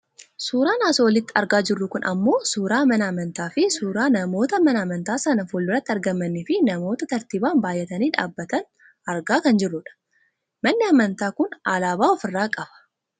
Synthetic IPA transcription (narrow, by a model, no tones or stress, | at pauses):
suːɾaːnaːsowɔlɪt̪ːɪɐɾɡaːd͡ʒɪrːʊkʊnʔɐmːo̞ːsuːɾaːmɐnɐɐmɐnt̪aːfɪsuːɾaːnɐmo̞ːt̪ɐmɐnɐmɐnt̪aːsɐnɐfoːlːɪrɐt̪ːɪɐɾɡɐmːɐnːɪfɪnɐmo̞ːt̪ɐt̪ɐɾt̪iːbaːnbaːjːɛt̪ɐniːᶑa̰ːbːɐt̪ɐn | ɐɾɡaːkɐnd͡ʒɪrːʊᶑɐ̥ | mɐnːɪɐmɐnt̪aːkʊnɐlaːbaːɔfɪrːaːkʼɐbɐ̥